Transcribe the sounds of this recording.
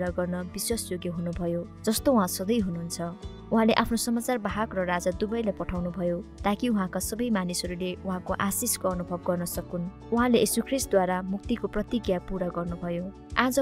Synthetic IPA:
ɾaɡʌrnʌbiswasjoɡjeɦunubʱʌjo | d͡zʌst̪oũɦãsʌd̪ʌjɦunuɦunt͡sʰʌ | uɦãleʔapʰnosʌmat͡sarbaɦakrʌrad͡zad̪ubʌjlajpʌʈʰawnubʱʌjot̪akiũɦãkasʌbʌjmanisʌɾuleuɦãkoʔasiskoʌnubʱʌb̚ɡʌrnʌsʌkun | uɦãlejesukʰrist̪̚d̪waɾamuk̚t̪ikoprʌt̪iɡjapuɾaɡʌrnubʱʌjo | ad͡zʌ

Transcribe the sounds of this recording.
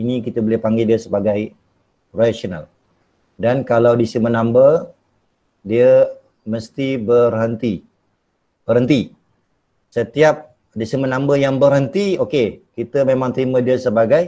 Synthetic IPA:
inikit̪əbolɪpaŋɡidiəsəbaɡaj | rasona̰l | dankalawdisimənambə | diə | məst̪ibərhənt̪i | b̥əɦənt̪i | sət̪iap̚ | disimənambəjaŋbərɦənt̪iokekit̪əmemãŋt̪əɾimədiəsəbaɡaj

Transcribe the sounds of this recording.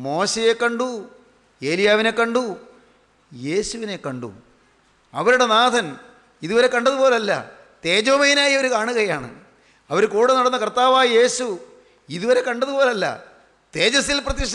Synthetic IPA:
mo̞ːɕɐje̞kːɐɳɖu | e̞ːlijaːʋine̞kːɐɳɖu | je̞ːɕuʋine̞kːɐɳɖṵ | ɐʋɐɾuɽe̞naːd̪ʰʱɐn | iðuʋɐɾe̞kɐɳɖɐðupo̞ːlɐlːɐ̰ | t̪e̞ːd͡ʑoːmɐjinaːjioɾukaːɳuɣɐjaːɳɨ̰ | ɐʋɐɾukuːɽenɐɽɐnːɐkɐrt̪ːaːʋaːje̞ːɕu | iðuʋɐɾe̞kɐɳɖɐðupo̞ːlɐlːɐ̰ | t̪e̞ːd͡ʑɐsilprɐðjiʂ

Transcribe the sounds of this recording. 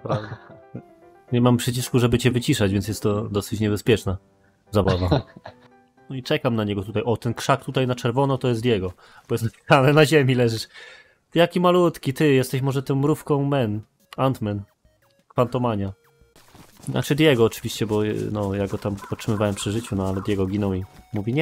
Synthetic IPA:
pɾavd̪ɛ | ɲɛmampʂɛt͡ɕiʂkuʐɛbɘt͡ɕɛvɘt͡ɕiʂad͡ʑvʲjɛnjɛst̪ːɔd̪ɔsɘt͡ɕɲɛbɛspʲjɛt͡ʂna | zabava | nɔit͡ʂɛkamnaɲɛɡɔt̪ut̪ajʔɔt̪ɛnkʂakt̪ut̪ajnat͡ʂɛɾvɔnɔt̪ɔjɛst̪d̪jɛɡɔ | b̥ɔjɛst̪apʲi̥sanɛnaʑemʲilɛʐɘʂ | t̪jakʲimalut̪kʲit̪ɘjɛst̪ɛɕmɔʐɛt̪ɔw̃mɾufkɔ̃w̃mɛn | ant̪mɛn | kfant̪ɔmaɲa | ina̰t͡ʂɛjd̪ʲjɛɡɔːt͡ʂɘvʲiɕt͡ɕɛbɔnɔjaɡɔt̪amɔtʂɘmɘvawɛmpʂɘʐɘt͡ɕunɔalɛd̪jɛɡɔɡʲinɔwimuvʲiɲɛ

